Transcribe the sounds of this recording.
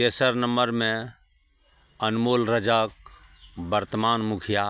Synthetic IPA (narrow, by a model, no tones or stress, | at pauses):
t̪esəɾnəməɾmẽ | ənmoːlɾəd͡ʒək̚ | bəɾt̪əmaːnmukʰija